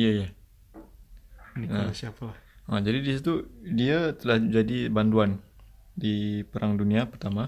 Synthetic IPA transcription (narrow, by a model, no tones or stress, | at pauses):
ijaija | niəasiapalahəd͡ʒadidisit̪udiat̪əlahd͡ʒadibanduan | dipəɾaŋduniapərt̪ama